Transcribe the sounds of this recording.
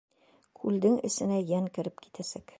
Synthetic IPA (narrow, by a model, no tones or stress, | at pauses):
kʰʉld̪ɘŋɘ̆sɘ̆næjæŋkɘ̆ɾɘp̚ki̥t̪æsæk